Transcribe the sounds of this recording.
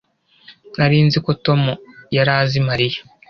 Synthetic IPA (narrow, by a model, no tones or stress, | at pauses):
naɾiːnziko̞to̞mujaɾaːzimaɾijḁ